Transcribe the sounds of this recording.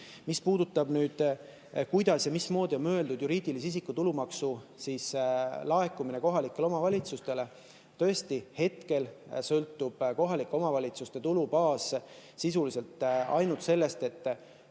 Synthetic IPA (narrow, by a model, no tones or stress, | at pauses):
mispuːd̪̥ut̪ːˑɑbnyːd̪̥ | kujd̪̥ɑsjɑmismo̞ːd̪̥io̞nmø̞e̞ld̪ud̪juɾiːd̪̥ilisis̬ikːˑut̪ulumɑksusiːslɑe̞kːˑumine̞ko̞ɦɑlikːˑe̞leo̞mɑvɑlʲit̪sust̪e̞le̞ | t̪ø̞est̪ihe̞t̪ke̞lsɤlt̪ːˑub̥ko̞ɦɑlikːˑeo̞mɑvɑlʲit̪sust̪e̞t̪ulupɑːssisulise̞lt̪ˑɑ̰jnult̪se̞lːe̞st̪e̞t̪ːˑ